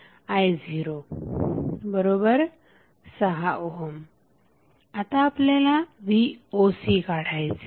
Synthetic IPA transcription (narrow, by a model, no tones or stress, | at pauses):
aːjziːɾo | bɐɾoːbəɾ | sɐɦaʔoɦom | ɐt̪aːplelãʋioːsikaːɽaːjzi